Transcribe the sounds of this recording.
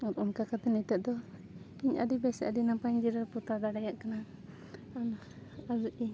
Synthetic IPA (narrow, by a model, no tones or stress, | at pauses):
ɔɾunkakat̪ɛnɛt̪ɛʔ̚d̪ɔ | iɲʔa̰d̪ibɛsɛadinapaɲd͡ʒiɾaput̪ad̪aɽajaʔkana | an | ad͡ʒuʔi